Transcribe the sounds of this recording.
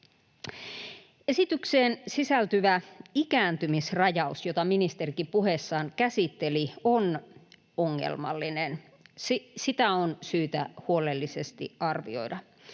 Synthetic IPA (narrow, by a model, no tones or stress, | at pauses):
esit̪ykseːnsisælt̪yʋæikæːnt̪ymisrɑjɑusjot̪ɑminist̪erikipuɦesːɑːnkæsit̪ːelion | oŋːḛlmɑ̰lːinen | sisit̪æonsyːt̪æ̰huolelːisest̪ḭɑrʋḭo̞̰idɑ